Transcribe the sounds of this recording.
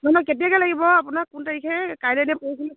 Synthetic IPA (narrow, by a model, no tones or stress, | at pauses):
nɔnɔketijakɛlaɡibɔapʊnakːʊntaɹikʰɛkajlɛnɛpoɹisilɛ